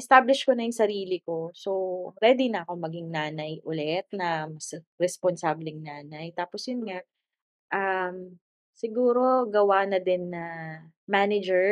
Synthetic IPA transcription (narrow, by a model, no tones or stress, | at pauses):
ʔɛst̪ablɪʃkonɐjʊŋsɐɾiːlɪko̞sowɾɛd̪inɐʔɐko̞mɐɡiŋnaːnɐjʔʊlɛt̪̚nɐmɐsɾɛsponsablɪŋnaːnɐjt̪aːposjʊnŋaʔ | ʔɐm | sɪɡuːɾo̞ɡɐwanɐd̪ɛnːɐ | maːnɪd͡ʒɛ